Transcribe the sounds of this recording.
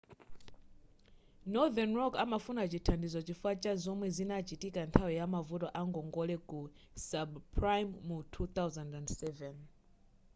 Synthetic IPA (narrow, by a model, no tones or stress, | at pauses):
nɔðɛnrɔkamafunat͡ʃitʰandizɔt͡ʃifat͡ʃazɔmwɛzinat͡ʃitikantʰawijamavutɔʔaŋɡɔŋɡɔlɛku | sabpʰɹajmːutʰut̪awzandandsɛvɛn